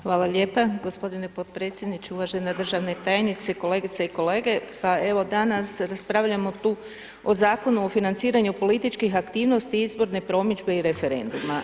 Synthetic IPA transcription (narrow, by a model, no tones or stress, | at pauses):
xʋaːlˠaʎe̞ːpaɡo̞spo̞d̪ine̞po̞d̪̚pɾe̞ːt̪sʲje̞d̪nit͡ʃeuʋaʒenad̪r̩ʒaʋne̞t̪ajenit̪se̞ko̞le̞ːɡit̪seiko̞le̞ːɡe̞pae̞ʋo̞d̪anasɾaspɾaːʋʎamo̞t̪uː | o̞zaːko̞nuofinant̪siːɾaɲupo̞lit̪it͡ʃkixakt̪iːʋno̞st̪iizbo̞ɾne̞pɾo̞mid͡ʒbe̞iɾe̞fe̞ɾe̞̰nd̪uma